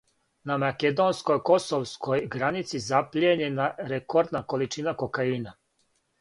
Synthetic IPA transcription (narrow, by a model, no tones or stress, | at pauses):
namaked̪o̞nskojko̞soʋskʰojɡɾanit̪sizaplʎieɲenaɾekoɾd̪nako̞lit͡ʃinako̞kaina